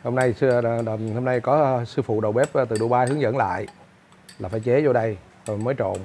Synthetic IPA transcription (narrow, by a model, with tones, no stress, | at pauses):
ho˧mna˧jsɨ˧˨˩ho˧mna˧jkɔ˨˦sɨ˧fṵ˧˨ɗə˨˩wɓɛ˦˥p̚t̪ɨ˨˩ɗu˧˩ɓaː˧hɨ˨˦əŋzə˧˥nla̰ː˧˨j | laː˨˩faː˧˩jt͡ɕe˨˦zo˧ɗə˧j | tːməː˨˦jt͡ɕo̰˧˨n